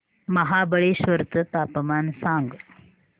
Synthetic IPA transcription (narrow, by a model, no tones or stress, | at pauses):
məɦabəɭeɕʋəɾt̪ət̪aːpəmaːnsãŋɡ